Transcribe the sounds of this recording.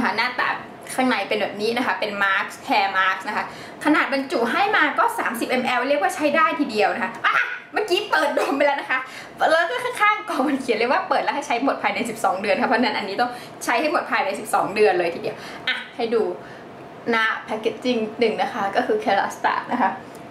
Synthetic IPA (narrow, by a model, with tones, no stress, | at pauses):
kʰa˦˥naː˥˩t̪a̰ː˨˩ | kʰaː˧˩ŋna˨˧˩jpe˧nbɛː˨˩p̚niː˦˥na˦˥kʰa˦˥pe˧nmaː˦˥k̚stʰɛː˧maː˦˥k̚sna˦˥kʰa˦˥ | kʰa˧naː˨˩t̪̚ba˧nt͡ɕu˨˩ɦa˥˩jmaː˧kɔː˥˩sa̰ː˩˦msi˨˩p̚ʔe˧mʔɛ˧wɾli˥˩əkwaː˥˩t͡ɕʰa˦˥jdaː˥˩jt̪ʰiː˧˩di˧əwna˦˥kʰa˦˥ʔa˧ʔmaː˥˩kiː˦˥pɤː˨˩t̪̚doː˧mpa˧jlɛː˦˥wna˦˥kʰa˦˥ | lɛː˧˦˥kɔː˥˩kʰaː˥˩ŋkʰaː˥˩ŋkɔː˨˩ma˧nkʰi˨˩˦nle˧˥kwaː˥˩pɤː˨˩t̪̚lha˥˩jt͡ɕʰa˦˥jmo˨˩t̪̚pʰaː˧jna˧jsi˨˩p̚sɔː˩˦ŋdɯ˧ənkʰa˦˥pʰːɔ˦˥˧na˥˩nʔa˧nːiː˦˥t̪ɔ˥˩ŋ | t͡ɕʰa˦˥jha˥˩jmo˨˩t̪̚pʰaː˧jna˧jsi˨˩p̚sɔ̰ː˩˦ŋdɯ˧ənlɤː˧jt̪ʰiː˧di˧˩əw | ʔa˧˩hʰa˧˩jduː˧ | na˦˥pʰɛ˧˥kːe˨˦˥t̪̚t͡ɕi˧ŋnɯ˨˩ŋna˦˥kʰa˦˥kɔː˥˩kʰɯː˧kʰe˧la̰˦˥st̪a̰ː˨˩t̪̚na˦˥kʰa˦˥